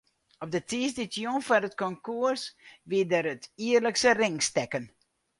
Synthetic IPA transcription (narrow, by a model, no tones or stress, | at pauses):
ɔp̚dətiːsditjonfɔɾətkɔŋkuərsʋiədəɾətiərləksərɪŋstɛkən